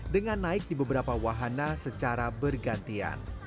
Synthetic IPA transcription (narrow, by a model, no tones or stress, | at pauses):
dəŋanːaɪk̚dibəbəɾapawaɦanasət͡ʃaɾabərɡant̪ia̰n